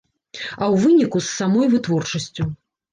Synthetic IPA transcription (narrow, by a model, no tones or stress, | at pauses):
ɐwvɨnʲikusːamɔjvɨt̪vɔrt͡ʂɐsʲt͡sʲu